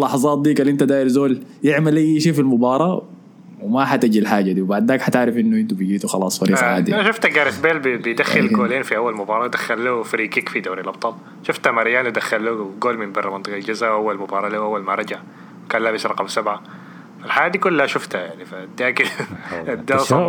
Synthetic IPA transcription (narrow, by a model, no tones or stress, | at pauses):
lʔɑħɑzˤɑːt̪̚d̪iːkalʔɪnt̪ad̪aːʔɪɾzoːljɪʕmalʔajːʃiːfilmʊbɑːɾˤɑː | wmaħat̪ad͡ʒilħaːd͡ʒːad̪iːwbaʕd̪ːaːkħat̪ɪʕɾɪfʔɪnːuʔɪnt̪ubd͡ʒiːt̪uxɑlɑ̰ːsˤfɑɾiːɡʕaːd̪iʃʊft̪aɡaːɾɪt̪beːlbbɪjd̪axːɪlɡoːleːnfiʔawːalmʊbɑːɾˤɑːwd̪axːalluhfaɾiːkikfid̪aːɾilʔɑb̚t̪ˤɑːl | ʃʊft̪hamaɾjaːnd̪axːalluhɡoːlmɪnbɑrːmɑnt̪ˤɨqɑld͡ʒazawʔawːalmʊbɑːɾˤɑːlahʔawːalmaɾˤɑd͡ʒaʕ | wkaːnlaːmɪsɾˤɑqɑmsabʕa | falħajaːd̪ikʊlːahaʃʊft̪hajaʕnifad̪ːaːkɪad̪ːaːsˤɑ